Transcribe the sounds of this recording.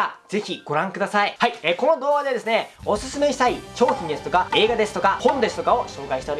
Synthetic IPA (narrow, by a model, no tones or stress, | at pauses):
ad͡ze̞çʲiɡ̥o̞ɾãŋkɯd̪asaihaieːko̞no̞d̪o̞ːɡad̪e̞d̪e̞sɨne̞o̞sɨsɨme̞ɕi̥t̪ait͡ɕo̞ːçĩɲd̪eɨ̥t̪o̞kae̞ːɡad̪e̞sɨ̥t̪o̞kahõ̞nd̪esɨ̥t̪o̞kao̞ɕo̞ːkaiɕit̪eɾi